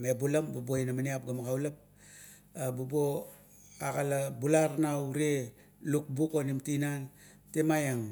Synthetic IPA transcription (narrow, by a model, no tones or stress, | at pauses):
mebulambubojnamaniap̚ɡamaɡawlap̚ | abubo | aɡalabulaɾnauɾe | luk̚bukonimtinan | temajaŋ